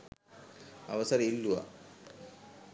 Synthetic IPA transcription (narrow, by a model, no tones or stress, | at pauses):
ɐ̰ʋɐsɐɾɐilːuʋa̰